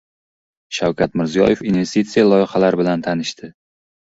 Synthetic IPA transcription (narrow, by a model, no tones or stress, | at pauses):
ʃawkʲat̪mɪɾzijɒ̰je̞finve̞st̪it̪sijalˠɒjɪχalaɾbɪlant̪ʰanɪʃt̪ʰɪ